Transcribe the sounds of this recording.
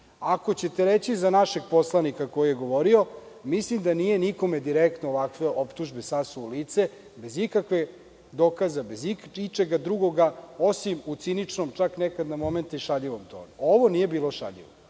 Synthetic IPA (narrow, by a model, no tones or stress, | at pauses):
ako̞t͡ɕe̞t̪eɾet͡ɕizanaʃe̞ɡ̚po̞slˠanikako̞jije̞ɡo̞ʋo̞ɾio̞ | mislimd̪anije̞niko̞med̪iɾek̚t̪noːʋakʋe̞ʔo̞pt̪uʒbe̞sasuːliːt̪se̞ | be̞zikakʋe̞ | d̪o̞kazabe̞ziit͡ʃeɡad̪ɾuɡo̞ɡao̞simut̪sinit͡ʂnomt͡ʃaknekad̪namo̞me̞nt̪iʃaʎiʋomt̪o̰ːnuoʋonije̞biːlo̞ʃa̰ʎḭʋo